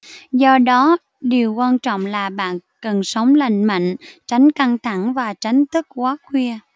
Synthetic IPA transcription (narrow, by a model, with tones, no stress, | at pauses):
zɔ˧ɗɔ˨˦ | ɗi˨˩əwkwaː˧nt͡ɕɔ̰˧˨wŋ͡mlaː˨˩ɓa̰ː˧˨nkə˨˩nsə˨˦wŋ͡mla˨˩jŋmə̰˧˨ŋ̟t͡ɕa˨˦jŋ̟ka˧ŋt̪ʰa˧˩ŋvaː˨˩t͡ɕa˨˦jŋ̟t̪ɨ˦˥k̚kwaː˨˦kwi˧ə